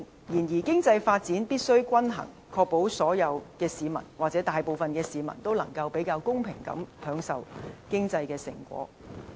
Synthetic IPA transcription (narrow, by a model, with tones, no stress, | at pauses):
jiː˨˩njiː˨˩kɪ˥ŋt͡sɐ˧jfaː˧t̚t͡siː˨˥npiː˥t̚sɵ˥ɥkʷɐ˥nɦɐ̰˨˩ŋ | kʰɔː˧k̚po˨˥wsɔː˨˥jɐ˨˧wkɛː˧siː˨˧mɐ̰˨˩nwaː˨t͡sɛ˨˥t̪aː˨jpo˨wfɐ˨nkɛː˧siː˨mɐ̰˨˩nt̪o˥wlɐ˨˩ŋkɐ˧wpe˨˥jkaː˧wkʊ˥ŋpʰɪ˨˩ŋkɐ̰˨˥mpʰœː˨˧˥ŋsɐ˨wkɪ˥ŋt͡sɐ˧jkɛː˧sɪ̰˨˩ŋkʷɔ̰ː˨˥